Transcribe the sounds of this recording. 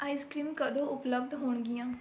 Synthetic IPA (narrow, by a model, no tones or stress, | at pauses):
aːiskɾiːmkəd̪õːʊpləb̚d̪ɦoːɳɡɪjãː